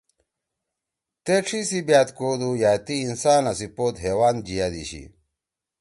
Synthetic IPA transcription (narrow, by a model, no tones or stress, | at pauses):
t̪eʂʰisibjaːt̪koːd̪ujaːt̪iːnsaːnɐsipoːt̪ɦeːwaːn̚d͡ʑijad̪ḭɕḭ